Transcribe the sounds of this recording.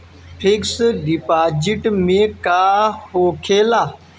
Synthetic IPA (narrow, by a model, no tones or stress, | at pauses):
pʰɪksɖipaːd͡ʒɪʈmẽːkaːhoːkʰeːlaː